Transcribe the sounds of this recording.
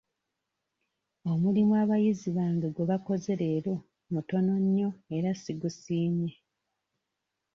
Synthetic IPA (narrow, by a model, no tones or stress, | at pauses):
o̞mulimwaβajiziβaːŋɡeɡweβako̞ze̞ɾe̞ːɾo̞ | muto̞no̞ɲːo̞e̞ɾasiɡusiːɲe